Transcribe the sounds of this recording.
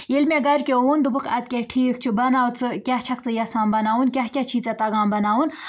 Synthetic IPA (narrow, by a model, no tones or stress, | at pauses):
jilmʲeɡɐɾʲkʲeoːnd̪ubɨkʰɐt̪̚ʲkʲeʈʰiːk̚t͡ʃʰubɐnaːwt͡sɨkʲaɦt͡ʃʰɐkt͡sɨjɐsaːmbɐnaːunkʲaɦkʲat͡ʃʰiːt͡sɐt̪ɐɡaːmbɐnaːun